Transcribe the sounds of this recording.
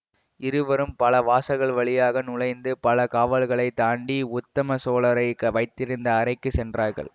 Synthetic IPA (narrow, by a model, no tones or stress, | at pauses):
ʔɪɾɯʋɐɾɯmpɐlɐʋaːsɐɣɐɭʋɐɭɪjaːɣɐnʊɭɐɪnd̪ɯpɐlɐkaːʋɐlɣɐɭɐɪt̪aːɳɖiʊt̪ːɐmɐsoːɭɐɾɐɪkːɐʋɐɪt̪ːɪɾɯnd̪ɐːɾɐɪkːɯsɛndraːɾɣɐ̰ɭ